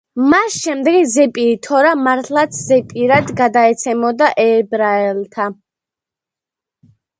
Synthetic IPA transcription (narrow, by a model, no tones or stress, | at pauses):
masʃɛmd̪ɛɡizɛpʼiːt̪ʰɔɾamaɾt̪ʰlˠat̪sʰzɛpʼiɾad̪ɡad̪aɛt̪sʰɛmɔd̪aʔɛːbɾaɛlt̪ʰa